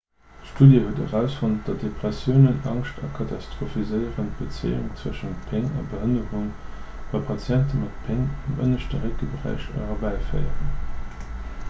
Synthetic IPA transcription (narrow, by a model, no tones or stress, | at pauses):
ʃtuːdjəhuətə̰ʁæʊsfont̚d̥ɑdepʁ̥ɛsjəʊnənɑ̰ŋʃtʰɑkʰɑtʰɑstʁofizəɪəʁənt̚b̥ət͡sḛɪṵŋt͡swəʃəntpʰɪŋɑ̰bəɦənəʁuŋ | v̥ɑpʰɑt͡sjæntəmɑtpʰɪŋɑmʔə̰nəʃtəʁekəbəʁæ̰ɪʃə̰ʁəbæɪfɜ̰ɪə̰ʁən